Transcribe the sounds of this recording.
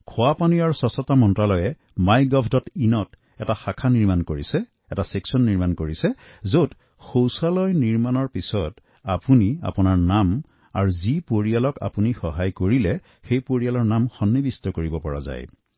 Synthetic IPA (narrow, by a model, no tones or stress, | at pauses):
kʰʊapaniaɹusɔsɔtamɔntɹalɔjɛ | majɡɔpʰdɔtinɔt | ɛtaxakʰaniɹmankoɹisɛ | ɛtaseksɔnːiɹmankoɹisɛzot | xowsalɔjniɹmanɔɹpisɔt | apunia̰punaɹnam | a̰ɹuzipoɹialɔka̰punixɔɦajkoɹilɛ | xejpoɹialɔɹnamxɔnːibistɔkoɹibɔpɔɹa̰za̰j